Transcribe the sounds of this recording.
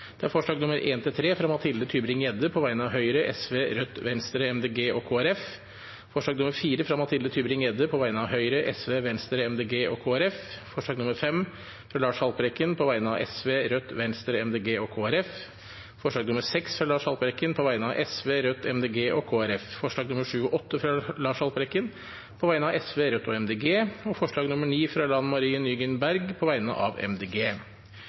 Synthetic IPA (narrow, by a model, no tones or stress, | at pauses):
d̪̥ɛæɾfɔʂɭɑːɡnʊməɾʔeːnt̪ʰɪlt̪ʰɾeːfɾɑmɑt̪ʰɪlət̪ʰyːbɾɪŋjɛd̪əpʰɔʋæɪnəɑʋɦœʏɾəʔɛ̰sʋeːɾœt̪ʋɛnst̪ɾəɛmd̪eːɡeːʔɔkʰoːæɾɛf | fɔʂɭɑːɡnʊməɾfiːɾəfɾɑmɑt̪ʰɪld̪ət̪ʰyːbɾɪŋjɛd̪əpʰɔʋæɪnəɑʋɦœʏɾəʔɛsʋeːʋɛnst̪ɾəɛmd̪eːɡeːʔɔkʰoːæɾɛffɔʂɭɑːɡnʊməɾfɛm | fɾɑlɑːʂhɑlpəɾɛkːənpʰɔʋæɪnəɑʔɛsʋeːɾœt̪ːʋɛnst̪ɾəɛmd̪eːɡeːɔkʰoːæɾɛf | fɔʂɭɑːɡnʊməɾsɛksɾɑlɑːʂhɑlpəɾɛkːənpʰɔʋæɪnəɑ̰ʋʔɛsʋeːɾœt̪ːɛmd̪eːɡeːʔɔkʰoːæɾɛffɔʂɭɑːɡnʊməʂʉːɔʔɔt̪ːəfɾɑlɑːʂhɑlpəɾɛkːən | pʰɔʋæɪnəɑʋɛsʋeːɾœt̪ːɔɛmd̪eːɡeːɔfɔʂɭɑːɡnʊməɳiːfɾɑlɑnmɑɾiːnyːɡənbæɾɡpʰɔʋæɪnə̰ʔɑ̰ʋɛ̰md̪eːɡeː